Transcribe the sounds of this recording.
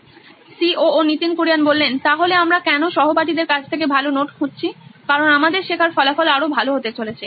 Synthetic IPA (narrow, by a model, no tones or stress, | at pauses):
sioonit̪inkoɾijanbolːent̪aɦoleamɾakɛnoʃɔɦopaʈid̪eɾkat͡ɕʰt̪ʰekebʱalonoʈkʰotːɕʰikaɾonamad̪eɾʃekʰaɾfɔlafɔlaɾobʱaloɦot̪et͡ɕolet͡ɕʰe